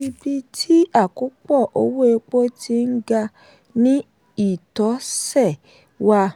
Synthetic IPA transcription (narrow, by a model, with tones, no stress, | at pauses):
i˧bi˦tʰi˦a˦˨ku˨˦k͡pɔ˦˨ʔo˧˦wo˦e˧k͡po˦tʰi˧˦n̩˦ɡa˧ | nĩ˦ | i˦˨tɔ˨˦sɛ˦˨ | wa˧